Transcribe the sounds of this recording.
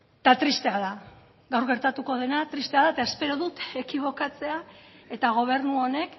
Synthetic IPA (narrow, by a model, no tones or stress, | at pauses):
t̪at̪ɾist̪e̞aða | ɡawɾɣe̞ɾt̪at̪uko̞ð̞e̞nat̪ɾist̪e̞aðaet̪ae̞spe̞ɾoðut̪ekiβ̞o̞kat͡se̞ae̞t̪aɣ̞o̞β̞e̞ɾnuo̞ne̞k